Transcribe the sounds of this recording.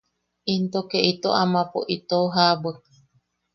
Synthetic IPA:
int̪okeʔit̪oʔamãpo̰ʔit̪oɦabə

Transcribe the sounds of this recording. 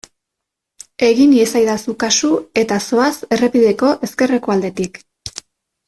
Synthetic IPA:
e̞ɣiniesajðasukasue̞t̪aso̞ase̞re̞piðe̞ko̞ʔe̞ske̞reko̞ald̪e̞t̪ik

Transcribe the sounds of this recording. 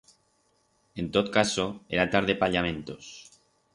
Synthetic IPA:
e̞nt̪ot̪kasoeɾat̪aɾðepaʎamẽ̞nt̪os

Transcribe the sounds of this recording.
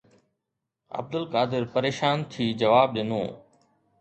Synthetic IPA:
ɐ̰b̚d̪əlkaːd̪ɪɾpɐɾeːʃaːnt̪ʰiːd͡ʑɐʋaːb̚ɗino̰ː

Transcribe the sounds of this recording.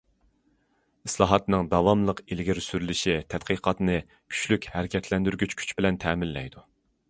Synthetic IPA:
islˠɑːɦɑt̪nɨŋd̪ɑvɑmlˠəqelɡʲiɾsyɾylɪʃit̪ʰɛt̪̚qʰəqʰɑt̪nɨ | kʲʰy̥t͡ʃlykʲhæɾɪkʲʰɛt̪ʰlɛnd̪yɾɡʲyt͡ʃkʲʰy̥t͡ʃbɪlɛnt̪ʰɛmɪlːɛ̰jd̪u

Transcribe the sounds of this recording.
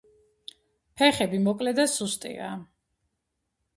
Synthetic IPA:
pʰɛχɛbimɔkʼlɛd̪asust̪ʼḭa̰

